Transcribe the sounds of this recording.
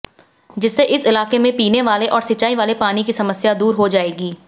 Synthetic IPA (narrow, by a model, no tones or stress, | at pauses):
d͡ʒɪsːeʔɪsɪlaːqemẽpiːneʋaːleʔɔːɾsit͡ʃaːiʋaːlepaːnikisɐməsjad̪uːɾɦod͡ʒaːeːɡiː